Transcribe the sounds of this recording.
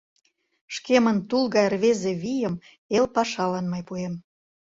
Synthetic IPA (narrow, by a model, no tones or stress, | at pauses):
ʃkemənt̪ulɣɑjrβezeβijəm | elpɑʃɑlɑnmɤjpuem